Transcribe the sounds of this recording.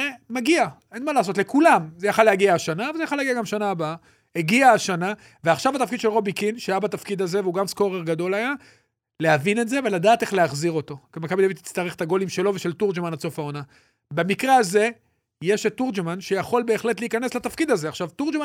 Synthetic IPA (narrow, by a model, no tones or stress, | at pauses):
emaɡiaʔe̞nmalaːs̬o̞tle̞kulamzejaχaleaɡiaːʃanavalzejaχaleaɡiaɡamʃanaːbaa | eɡiaːʃana | veaχʃavat̪afkid̪ʃelʁo̞bikinʃajabat̪afkid̪aze̞vuɡamsko̞ʁeʁɡado̞laja | le̞avine̞tze̞ve̞lad̪aːt̪e̞χleaχziʁo̞t̪o̞kemakabid̪avit̪i̥t͡st̪aʁeχet̪aɡo̞limʃe̞lo̞ve̞ʃe̞ltuʁd͡ʒemanat͡so̞fao̞na | bemikʁeaze̞ | je̞ʃet̪ːuʁd͡ʒemanʃe̞jaχo̞lbe̞ːχle̞t̪leiːkane̞slat̪afkid̪aze̞aχʃavt̪uʁd͡ʒma